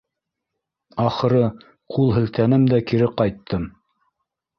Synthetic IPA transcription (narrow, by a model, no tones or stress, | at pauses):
ɑχɤ̆ɾɤ | qʰulˠɦɘ̆lt̪ænɘmd̪ækiɾɘqɑjt̪ːɤm